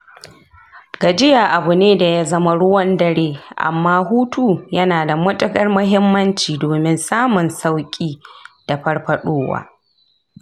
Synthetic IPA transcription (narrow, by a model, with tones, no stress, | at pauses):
ɡaː˨d͡ʒɪ˦ja˨ʔa˨bʊ˨neː˦da˨ja˦zɐ˦ma˦ɽʊ˦wɐ˦ndɐ˦ɽeː˦ʔa̰˨mːaː˦ɦuː˦tu˦jɐ˦naː˨da˨mʊ˦tʼʊ˦kʼɐ˦rmʊ˦ɦɪ˦mːɐ˦nt͡ʃiː˨doː˨mɪ˦nsaː˦mʊ˨nsa˦wkʲʼiː˦d̥a˨ɸɐ˦rɸɐ˦ɗoː˦wa̰ː˦